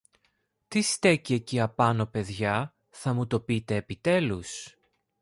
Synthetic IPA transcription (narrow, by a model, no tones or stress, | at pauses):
t̪ist̪e̞cieciɐpɐno̞pe̞ðʝɐ | θɐmut̪o̞pit̪e̞ːpit̪e̞lus